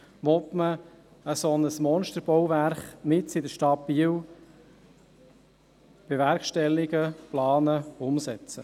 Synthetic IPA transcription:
ʋɔt̪mə | əsɔnəsmɔnʃtəɾb̥ɔwvæɾχmɪtsɪdəʃtɑb̥iːəw | b̥eʋæɾkʃtɛlːiɡəplɑːnəʊmsɛt͡sə

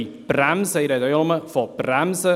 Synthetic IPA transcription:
b̥ramzejɾɛdɔjɔlˠɔməvɔbramzə

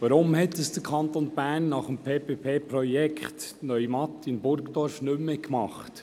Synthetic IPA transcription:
ʋɑɾʊmhɛt̪əsd̥əkʰɑnt̪onb̥æːnːɑχəmpʰeːpʰeːpʰeːpɾɔjɛkχtnœʏmɑtɪnbʊɾkdɔɾfnʏmːekmɑχt

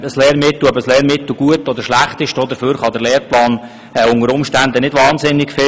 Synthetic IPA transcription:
əslɛːɾmɪt̪l̩œbəslɛːɾmɪt̪l̩ɡ̥uətɔd̪əɾʃlæχt̪ɪʃd̥od̪əfyːɾχɑd̪əɾlɛːɾplɑːn | ɛʊŋəɾʊmʃtænd̪ənɪdʋɑːnsɪnːɪkfɪ

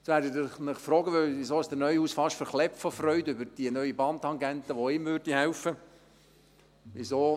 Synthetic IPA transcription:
sʋæːɾdəɪnɪχfɾɔːɡəʋɪʋizoːɪsd̥̪ənœʏhuːsfɑʃtfəɾχlɛpfɔfrœʏdʏbəɾd̥iənœʏibɑːntɑŋɡɛnt̪əʋoɪmvøːɾdihɛʊfə | ʋizoː

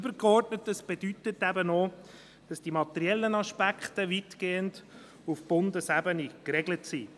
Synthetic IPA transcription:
b̥əɾkɔrtnətːəsb̥edytətːæbəno | d̥ɑsd̥imɑt̪ɛɾiɛlːənɑʃpækχtəʋitɡ̥eːənd | ufb̥ʊndəsæbənikɾɛɡlətsi

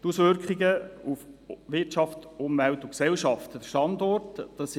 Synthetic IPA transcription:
tusʋʏɾkχiɡəufʋɪtʃɑftʊmʋɛltʊksɛlʃɑftəd̥əʃtɑndɔrtd̥ɑs

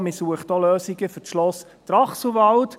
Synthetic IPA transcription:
mɪsuəχtɔløːsiɡəfʏʃlɔs | t̪rɑχs̩ʋɑlt

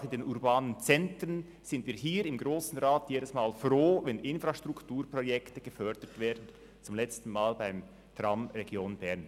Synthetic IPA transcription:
ɪndeːnʔuɾbaːnənt͡sɛntɾən | z̥ɪndviːɦiːɾɪmɡɾoːsn̩ʁaːtʰjeːdəsmaːlfɾoːvɛnʔɪnfɾaʃtʁ̥ʊktuːɾprɔjɛktəɡ̥əfœɐd̥ətv̥eːɐdn̩ | t͡sʊmlɛt͡stn̩maːlbaɪm | tʁɑmʁɛɡjoːnbɛʁn

